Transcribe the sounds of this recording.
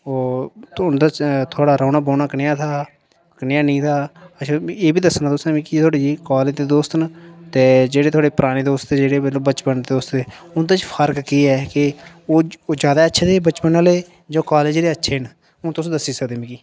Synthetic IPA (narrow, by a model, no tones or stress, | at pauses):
oːʊnd̪aːt͡ʃt̪ʰʊaːɽaːɾaːnaːboːnaːknɪjaːt̪ʰaː | knɪjaːnĩːt̪ʰaːət͡ʃʰaeːbiːd̪əsnaːt̪ʊsnẽmĩːkiːt̪ʰwaːɽeːd͡ʒiːkaːleːd͡ʒd̪eːd̪oːst̪nt̪eːd͡ʒeːɽeːt̪ʰʊaːɽeːpəɾaːniːd̪oːst̪ːd͡ʒeːɽeːbəloːbət͡ʃpənd̪eːd̪oːst̪eːʊnd̪aːt͡ʃpʰəɾkkiːɛːkɪ | oːd͡ʒjaːd̪aːətːʃʰeːd̪eːbət͡ʃpənaleː | d͡ʒoːkaːleːd͡ʒleːətːʃʰeːn | ʊnt̪ʊsːd̪əsːiːsəkd̪ẽːmĩːkiː